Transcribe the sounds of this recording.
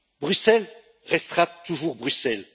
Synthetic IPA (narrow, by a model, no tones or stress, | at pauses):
bʁysɛl | ʁɛst̪χat̪uʒuʁbʁysɛl